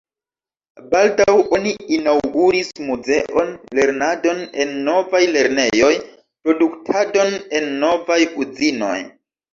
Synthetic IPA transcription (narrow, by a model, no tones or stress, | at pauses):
baldawʔo̞niinawɡuɾismuze̞ʔo̞nle̞ɾnado̞ne̞nːo̞vajle̞ɾne̞jo̞j | pɾo̞duktʰado̞ne̞nːo̞vajud͡zino̞̰j